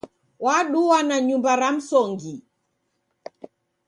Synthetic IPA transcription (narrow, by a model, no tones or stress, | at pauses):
waɗuwanaɲumbaɾam̩sɔŋɡi